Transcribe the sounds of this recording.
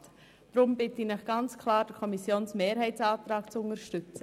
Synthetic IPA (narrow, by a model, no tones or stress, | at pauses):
t | d̥ɾʊmbɪtəinɛχɡ̥ɑnt͡skʰlɑːɾd̥əɾkʰɔmisjoːnsmeːɾhɛɪtsɑːtɾɑːkt͡sʊŋəɾʃtʏt͡sə